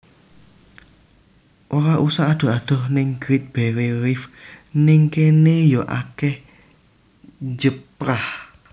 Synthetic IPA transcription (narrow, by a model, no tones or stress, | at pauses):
ʔoɾaʔusaʔːd̪̥ɔ̤ɦad̥ɔ̤hnɪŋɡɾit̪̚b̥e̤ɾeɾɪfnɪŋkenejɔʔa̰kɛh | d͡ʒəpɾah